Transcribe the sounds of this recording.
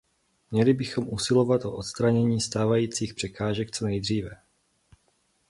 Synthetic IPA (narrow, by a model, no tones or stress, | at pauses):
mɲɛlɪbɪxomʔusɪlo̞vat̪ʔoʔot̪st̪ɾaɲɛɲiːst̪aːvajiːt͡siːxpr̥ɛkaːʒɛk̚t͡so̞nɛjd̪r̝iːvɛ